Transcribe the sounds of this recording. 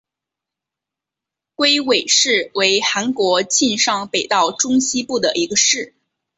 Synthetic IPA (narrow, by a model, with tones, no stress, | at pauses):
kwe˥ɪwe˨˩ɪʂɻ̩˥˩we˧˥ɪxa˧˥nkwɔ˧˥t͡ɕi˥˧nʂɑ˥˩ŋpe˨˩ɪt̪ɑ˥˩ʊʈ͡ʂʊ˥ŋɕi˥pu˥˩d̪ə˩ʔi˧˥ɡə˧ʂɻ̩˥˩